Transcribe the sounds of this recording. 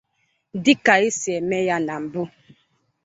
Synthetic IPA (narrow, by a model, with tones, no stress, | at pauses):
di˦ka˨i˦sjɛ˨mɛ˦ja˦na˨m̩˨bu˦